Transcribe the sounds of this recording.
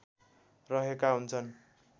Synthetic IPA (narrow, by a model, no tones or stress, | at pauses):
rʌɦekaɦunt͡sʰʌn